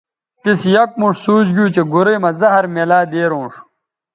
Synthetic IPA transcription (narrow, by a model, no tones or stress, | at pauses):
t̪isjɐk̚muʂsuːd͡ʑɡuːt͡ɕeɡuɾɐjmɐzɐɦɐɾmelaːd̪eːɾõːʂ